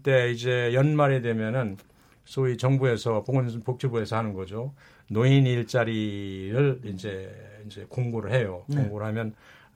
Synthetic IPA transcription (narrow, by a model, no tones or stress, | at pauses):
t͈e̞id͡ʑe̞jʌnmaɾe̞dwe̞mjʌnɯn | sʰoit͡ɕʌŋbue̞sʰʌpoŋpok̚t͡ɕʰubue̞sʰʌhanɯnɡʌd͡ʑo | noiniɭt͡ɕ͈aɾiɾɯɭind͡ʑe̞ind͡ʑe̞koŋɡoɾɯɭɦe̞jokoŋɡoɾɯɭɦamjʌn